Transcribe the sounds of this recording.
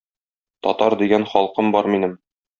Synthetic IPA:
t̪ɒt̪ɑɾd̪iɡænχɒlˠqɤmbɒɾminɘm

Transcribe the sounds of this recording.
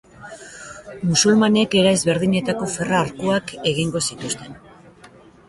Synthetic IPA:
musulmane̞ke̞ɾaezβe̞ɾðiɲe̞t̪ako̞fe̞raːɾkuake̞ɣ̞iŋɡo̞sit̪ust̪e̞n

